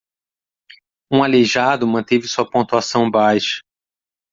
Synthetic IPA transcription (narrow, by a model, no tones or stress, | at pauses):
ũaleʒad̪ʊmɐ̃nt̪evɪsuɐpõt̪uasɐ̃w̃bajʃɐ̥